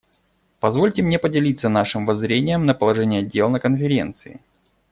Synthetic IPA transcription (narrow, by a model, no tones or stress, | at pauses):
pɐzvo̞lʲtʲɪmnʲe̞pədʲɪlʲit̪sənaʂɨmvɐzɾʲenʲɪjəmnəpəlˠɐʐɛnʲɪjɐdʲe̞lˠnəkənfʲɪɾʲe̞̰nt̪sɨɪ̰